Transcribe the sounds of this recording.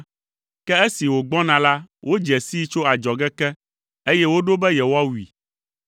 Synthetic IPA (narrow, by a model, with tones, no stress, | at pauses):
kɛ˦e˦si˨wo˨ɡ͡bɔ̃˦nã˨la˦wo˦d͡ʒɛ˨si˦t͡ʃo˦a˨d͡ʒɔ˨ɡɛ˦kɛ˦ | e˦jɛ˦wo˦ɖo˦bɛ˦jɛ˨wo˦a˦wu˨i˨